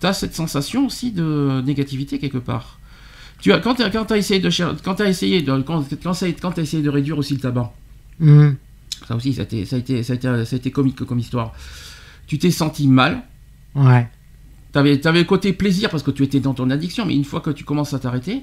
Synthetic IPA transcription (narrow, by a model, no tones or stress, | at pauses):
t̪yasɛt̪sɑ̃sasjɔ̃osid̪əneɡat̪ivit̪ekʲɛlkəpa̰ːʁ | t̪yakɑ̃t̪yakɑ̃t̪yaesejed̪əʃɛkɑ̃t̪yaesejed̪əkɑ̃kɑ̃sakɑ̃t̪yaesejed̪əʁed̪ɥiʁosilət̪abɑ̃ | sa̰osisa̰et̪ḛsaet̪esaet̪esaet̪ekɔmikkɔmist̪waʁ | t̪yt̪ɛsɑ̃t̪imal | wɛ | t̪yavɛt̪yavɛləkot̪epleziʁpaʁsə̥kət̪yet̪ɛd̪ɑ̃t̪ɔ̃nad̪iksjɔ̃mɛ̰ynfwakət̪y̥kɔmɑ̃sat̪aʁet̪e